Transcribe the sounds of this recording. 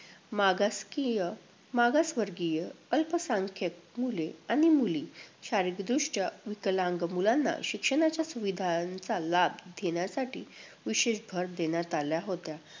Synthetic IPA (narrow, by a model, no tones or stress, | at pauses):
maɡaskijə | maɡasʋəɾɡijəəlpəsãŋkʰek̚muleaɽ̃imuliːɕaɾikd̪ɾuʂʈaʋiklãŋɡmulanːa̰ɕikʂəɽ̃at͡ɕjasuʋid̪ʱant͡salabd̪ʱeɽjasaʈḭː | ʋiɕeɕbʱəɾd̪enjat̪aljaɦot̪ja